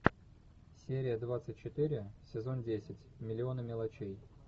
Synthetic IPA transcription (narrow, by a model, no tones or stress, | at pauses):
sʲeɾʲɪjəd̪vat̪sɨt̚ʲt͡ɕɪt̪ɨɾʲɪsʲɪzo̞ndʲesʲɪtʲmʲɪlʲɪo̞nəmʲɪlˠɐt͡ɕej